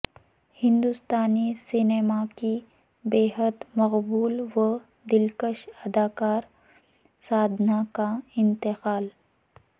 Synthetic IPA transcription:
hɪ̃nd̪ust̪aːnisɪneːmaki | beːɦəd̪mɐqbuːlʋə | d̪ɪlkəʃɐd̪aːkaːɾ | saːd̪ʱnakaɪ̃nt̪ɪqaːl

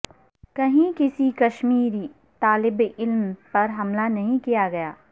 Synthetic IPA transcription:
kɐɦĩkɪsikɐʃmiːɾi | t̪aːlɪbɪlmpɐɾɦɐmlanɐɦĩkijaɡɐjaː

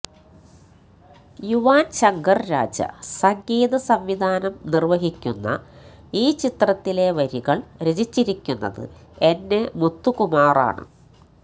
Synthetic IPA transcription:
juʋaːnɕɐŋɡɐrɾa̰ːd͡ʑɐ̰sɐŋɡiːd̪ɐsɐmʋid̪ʱaːnɐmnirʋɐɦikʲːunːɐ̰ | iːt͡ɕit̪rɐt̪ːile̞ʋɐɾiɣɐɭɾed͡ʑit͡ɕːiɾikʲːunːɐ̰ðɨ̰e̞nːemut̪ːukumaːra̰ːɳɨ̰

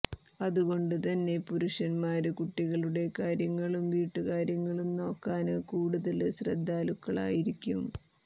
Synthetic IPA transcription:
ɐðuɣo̞ɳɖɨt̪ɐnːe̞puɾuʂɐnmaːɾɨkuʈːiɣɐɭuɽe̞kaːɾjɐŋːɐɭumʋiːʈːɨkaːɾjɐŋːɐɭumno̞ːkːaːnɨkuːɽuðɐlɕrɐ̰d̪ʱːaːlukːɐɭa̰ːjiɾikʲːum

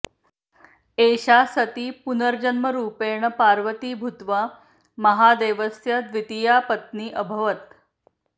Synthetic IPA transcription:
eɕasət̪iːpunəɾd͡ʑənməɾuːpeɾɳəpaɾʋət̪iːbʱut̪ʋa | mɐɦad̪eʋəsjad̪ʋit̪ijapət̪̚niːʔəbʱəʋət̪

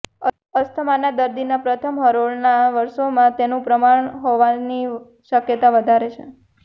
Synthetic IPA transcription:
əst̪ʰəmanad̪əɾd̪inapɾət̪ʰəmɦəɾoɭnaʋəɾʃomãt̪enũpɾəmaɳɦoʋani | ʃəkjət̪aʋəd̪ʱaɾet͡ʃʰḛ

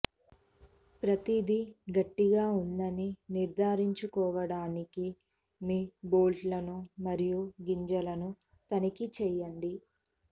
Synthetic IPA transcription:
pɾɐt̪id̪iɡɐʈːiɡaːund̪ɐniniɾd̪ʱaːɾiɲt͡ʃukɔːʋɐɽaːniki | miːboːlʈlɐnumɐɾijuɡiɲd͡ʒɐlɐnu | t̪ɐnɐkit͡ʃɛjɐɳɖi

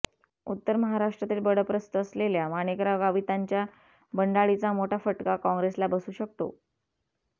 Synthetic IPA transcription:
ṵt̪ːəɾməɦaɾaʂʈɾat̪iːlbəɽəpɾəst̪əəsleljamanekɾaɡaʋit̪aɲt͡ɕja | bəɳɖaɭit͡samoʈʰafəʈkakɔ̃ŋɡɾeslabəsuːɕək̚t̪o̰

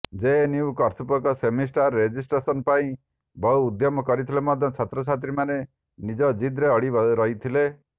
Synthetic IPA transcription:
d͡ʒeniukɔɾt̪ʰupɔkɔsemisʈaɾːed͡ʒisʈɾesɔnpaĩ | bɔɦuːd̪jɔmɔkɔɾit̪ʰilemɔd̪ʱjɔt͡ʃʰɔt̪ɾɔt͡ʃʰat̪ɾimane | nid͡ʒɔd͡ʒid̪ɾeɔɽiɾɔɦit̪ʰile

